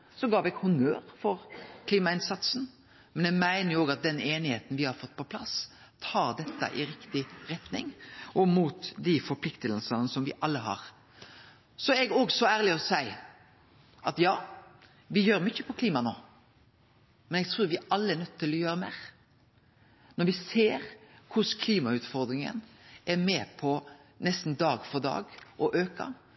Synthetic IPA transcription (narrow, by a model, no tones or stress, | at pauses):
sɔɡɑːʋɛɡhʊnøːɾfɔɾkʰliːmɑɪnsɑt̪sn̩ | mɛnɛɡmæɪnəɾjʊoːɡɑt̪̚d̪ɛneːnɪheːt̪n̩ʋɪhɑɾfɔt̪ːpʰɔpʰlɑs | t̪ʰɑːɾd̪ɛt̪ːə̰ʔɪɾɪkt̪ɪɾɛt̪nɪ̰ŋʔɔmuːt̪d̪ɪfɔɾpʰlɪkt̪əlsənəsɔmʋɪʔɑlːəɦɑ̰ːʁ | sɔɛɡoːɡsɔæːʁlɪɔsæɪ | ʔɑt̪jɑː | ʋɪjøːɾmʏçːəpʰɔkʰliːmɑno̰ː | mɛnɛɡ̚t̪ʰɾuːɾʋɪʔɑlːəɛnœt̪ːt̪ːɪlɔjøːɾəmeːʁ | nɔɾʋɪseːɾkʰʊskʰliːmɑʉːt̪fɔɾd̪ɾɪŋə̰næɾmeːpʰɔ | nɛst̪n̩d̪ɑːɡfɔɾd̪ɑ̰ːɡʔɔʔøːkɑ̰